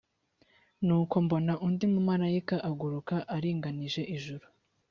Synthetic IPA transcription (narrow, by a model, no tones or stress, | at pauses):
nuːko̞mbo̞naʔundimumaɾajikaʔaɡuɾukaʔaɾiːŋɡaniʒe̞ʔiʒuɾu